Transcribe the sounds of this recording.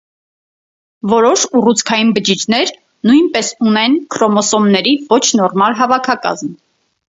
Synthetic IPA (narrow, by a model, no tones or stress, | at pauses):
vɔɾɔʃurut͡sʰkʰɑjinbət͡ʃit͡ʃʰnɛɾ | nujnpɛsunɛnkʰɾɔmɔsɔmnɛɾivɔt͡ʃʰnɔɾmɑlɦɑvɑkʰɑkɑ̰zm